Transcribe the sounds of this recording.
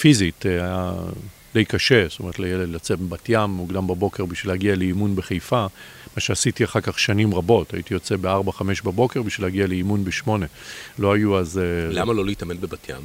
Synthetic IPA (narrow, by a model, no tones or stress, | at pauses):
fizitaja̰ | d̥e̞jkaʃe̞st̪ome̞etlejeledlat͡sebatjamːuɡdambabo̞ke̞ʁbiʃvilhaɡialeimunbeχejfa | maʃeasitiaχaʁkaχʃanimʁabo̞ta̰jitijo̞t͡sebeaʁbaχame̞ʃbabo̞ke̞ʁbiʃvilhaɡialeimunbeʃmo̞ne̞lo̞ajuazelamaloliitamenbebatʰja̰m